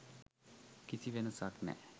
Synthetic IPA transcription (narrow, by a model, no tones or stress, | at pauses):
kisiʋenəsaknɛ̰